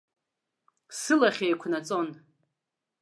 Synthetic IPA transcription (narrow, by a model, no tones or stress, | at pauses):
sɨlaχʲejkʷʰnat͡sʼo̞n